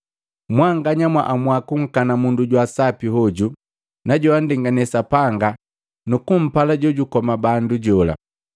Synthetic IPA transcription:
mwaŋɡaɲamwa̰ʔamwakuŋ̩kanamunduɟwasapiɦɔɟu | naɟɔandɛŋɡanɛsapaŋɡa | nukum̩palaɟɔɟukɔmabanduɟɔla̰

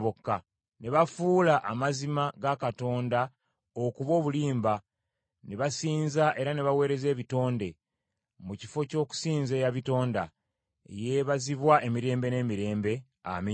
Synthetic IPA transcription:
βokːa | ne̞βafuːlaʔamazimaɡakato̞ːnda | okuβo̞ːβuliːmba | ne̞βasiːnzaʔe̞ɾane̞βawe̞ːɾe̞ze̞ːβito̞ːnde̞ | muci̥fo̞co̞ku̥siːnze̞jaβito̞ːnda | ḛjeβaziβwaʔe̞miɾe̞ːmbe̞ne̞miɾe̞ːmbe̞ | a̰mi

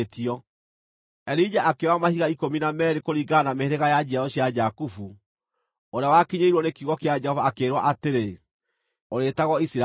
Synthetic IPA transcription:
tiɔ | ɛɾid͡ʒaʔakewamahiɣaikominamɛːɾekoɾiɡanameheɾeɣajad͡ʑiaɔɕiad͡ʒakufu | oɾeawakiɲeiɾwɔnekiuɣɔkead͡ʒɛhɔvaːkeːɾwaʔateɾe | oɾetaɣɔisiɾa

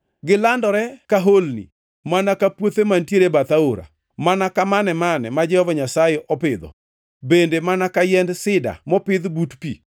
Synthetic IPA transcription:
ɡɪlandɔɾɛkaɦolnḭ | manakapwot̪emantjeɾebat̪aoɾa̰ | manakamanɛmanɛmad͡ʒɛhɔvaɲasajeʔɔpɪd̪ɔ̰ | bendemanakajɛndsɪda̰mɔpɪd̪butpḭ

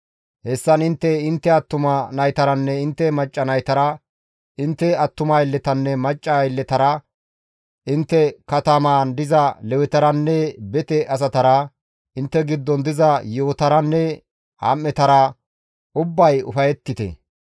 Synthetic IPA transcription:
hɛsːɐnɪnt̪ːɛɪnt̪ːɛɐt̪ːʊmɐnɐjt̪ɐɾɐnːɛɪnt̪ːɛmɐt͡ʃʼːɐnɐjt̪ɐɾɐ | ɪnt̪ːɛɐt̪ːʊmajɪlːɛt̪ɐnːɛmɐt͡ʃʼːaɪlːɛt̪ɐɾɐ | ʔɪnt̪ːɛkɐt̪ɐmaːnd̪ɪzɐlɛwɛt̪ɐɾɐnːɛbɛt̪ɛʔɐs̬ɐt̪ɐɾɐ | ɪnt̪ːɛɡɪd̪ːɔnd̪ɪzɐjoːt̪ɐɾɐnːɛ | ha̰ːmːɛt̪ɐɾɐ | ʊbːɐjʊ̰fɐjɛt̪ːɪt̪ɛ̰

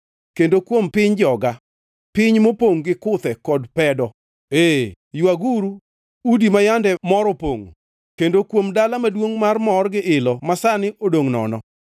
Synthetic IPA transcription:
kendokwompɪɲd͡ʒɔɡa | pɪɲmopoŋɡɪkʊt̪ɛkɔdpɛdɔ | e | jwaɡuɾu | udimajandɛmɔɾɔpoŋ | kendokwomdalamadwoŋmarmɔrɡɪʔɪlɔmasanɪʔodoŋnɔ̰nɔ

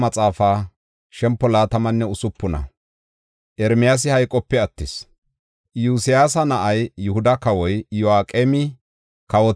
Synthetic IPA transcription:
mɐt͡sʼaːfaː | ʃɛmpːɔlaːt̪ɐmɐnːɛʊsʊpːʊnɐ̰ | ʔɛɾmɪjas̬ɪhɐjkʼɔpːɛɐt̪ːɪs | juːsɪjaːs̬ɐnɐʔɐjːʊhʊd̪ɐkɐwɔjjɔaːkʼeːmɪ | kɐwɔ

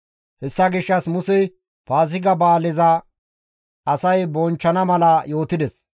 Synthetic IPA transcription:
hɛsːɐɡɪʃːɐsmʊsɛ | paːzɪɡɐbaːlɪzɐ | ɐsɐjbɔnt͡ʃːɐnɐmɐlɐjo̞ːt̪ɪd̪ɛs

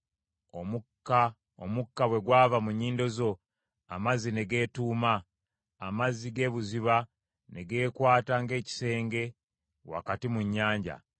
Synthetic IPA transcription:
omuka | omukːaβwe̞ɡwaːvamuɲːiːndo̞zo̞ | amazine̞ɡe̞ːtuːmaː | maziɡe̞ːβuziβa | ne̞ɡe̞ːkwaːtaŋɡe̞ːci̥se̞ːŋɡe̞ | wa̰katimuɲːaːɲɟa̰

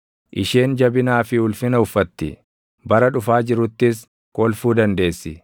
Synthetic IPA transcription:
ʔɪʃeːnd͡ʒɐbɪnaːfɪhʊlfɪnɐʊfːɐt̪ːɪ | bɐɾɐᶑʊfaːd͡ʒɪɾʊt̪ːɪs̬ | kʼɔlfuːd̪ɐnd̪e̞ːsːɪ

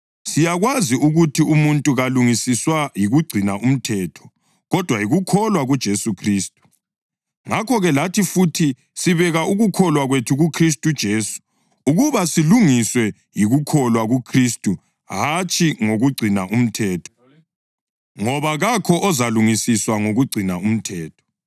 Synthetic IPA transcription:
sijaɣwaziuɣutʰiumuntʼuɣaluŋisiswajiɣuɡ͡ǀʱinaʔum̩tʰɛːtʰɔ̥ | ɣɔd̥ʱwajiɣukʰɔlwaɣud̥ʒ̥ʱesukʰriːstʼu̥ | ŋakʰɔɣɛlatʰifutʰi | siβɛɣaʔuɣukʰɔlwaɣwetʰuɣukʰris̬tʼud̥ʒ̥ʱeːsu̥ | uɣuβasiluŋiswɛ | jiɣukʰɔlwaɣukʰristʼu | ɦat͡ʃʰʼiŋoɣuɡ͡ǀʱinaʔum̩tʰɛːtʰɔ̥ | ŋɔβaɣakʰɔʔɔzaluŋisiswaŋoɣuɡ͡ǀʱinaum̩tʰɛːtʰɔ̥

